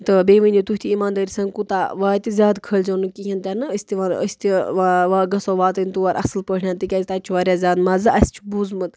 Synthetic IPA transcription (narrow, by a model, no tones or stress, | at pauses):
t̪ɨbeːʋənʲit̪uɦt̪iimaːnd̪ɐːɾʲisɐŋkut̪aʋaːt̪izʲjaːd̪kʰəlʲd͡ʒɐːnukiɦint̪ʲaːnɨəsʲt̪iʋanə̰sʲt̪iʋʋaːɡɐsoːʋaːt̪ɨnʲt̪uʋaɾʔɐ̰sɨlpəɳʲaːnt̪ikʲazʲt̪at͡ʃʰʋaːɾʲjaːzʲaːd̪mɐzɨʔɐsʲt͡ʃʰubuzmɨt̪